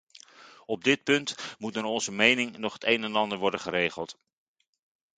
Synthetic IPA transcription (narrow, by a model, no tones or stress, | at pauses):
ɔb̚dɪt̚pɵntmutənɔnzəmejnɪŋnɔχɦətejnɛnɑndəɹʋɔɹdəχəɾejχəlˠt